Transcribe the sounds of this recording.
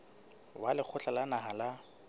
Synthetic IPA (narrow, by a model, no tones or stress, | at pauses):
walɪk͡xʰʊt͡ɬalanaɦala